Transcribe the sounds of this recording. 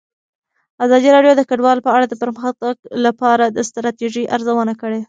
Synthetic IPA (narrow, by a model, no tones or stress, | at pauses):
azɑd̪iɾɑɖjod̪əkaɖwɑlpəaɽad̪əpəɾməxt̪aɡlapɑɾad̪əst̪ɾɑt̪eʒiʔaɾzawənakəɽe